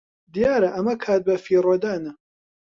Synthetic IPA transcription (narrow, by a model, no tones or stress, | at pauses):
d̪ijaːɾɐʔɐmɐkʰaːt̪̚bɐfiːrod̪aːnɐ